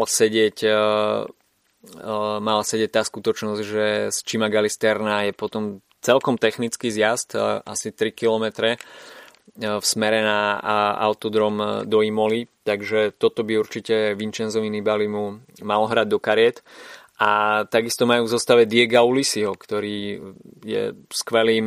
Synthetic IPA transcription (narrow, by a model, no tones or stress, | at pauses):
alsɛɟɪɛc | malasɛɟɛc̚t̪aːskut̪ɔt͡ʃnɔzɟʒɛst͡ʃimaɡalist̪ɛɾnaːjɛpɔt̪ɔm | t͡sɛlkɔmt̪ɛxnit͡skiːzɪjazt̪asit̪ɾikilɔmɛt̪ɾɛ | fsmɛɾɛnaa̰ʊt̪ɔd̪ɾɔmd̪ɔimɔlit̪aɡʒɛt̪ɔt̪ɔbiuɾt͡ʃicɛʋint͡ʃɛnzɔʋinibalimu | malɔɦɾaɟd̪ɔkaɾɪɛt̪ | ʔat̪aɡist̪ɔmajuːvzɔst̪aʋɛd̪ɪɛɡaulisiɦɔkt̪ɔɾiːjɛ̰skʋɛliːm